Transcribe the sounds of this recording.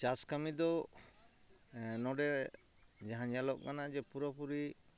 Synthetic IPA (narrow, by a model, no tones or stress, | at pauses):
t͡ʃaskamid̪ɔ | nɔɖɛ | d͡ʒaɦãjalɔʔkanad͡ʒɛpuɾapuɾi